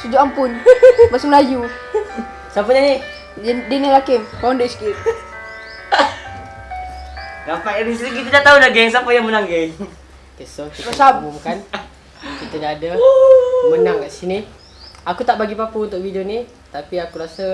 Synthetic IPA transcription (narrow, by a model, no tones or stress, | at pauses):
sud͡ʒuʔampunbasumlaju | sap̬uɲani | denilakempawndeskit̪ | ɾapaabis̬ɾik̬it̪̬udat̪audaɡɛŋs̬apajaŋmənaŋɡe | kesokit̪asabumukan | kit̪adaːda | mənaŋkaʔsini | akut̪aʔbaɡipapuunt̪ʊkʔfidioni | t̪apiakuɾasa